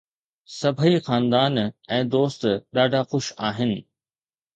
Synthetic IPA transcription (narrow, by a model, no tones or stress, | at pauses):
sɐbʱəixaːnd̪aːnɛ̃ːd̪oːst̪ɗaːɖʱaxʊʃaːɦɪnɪ̆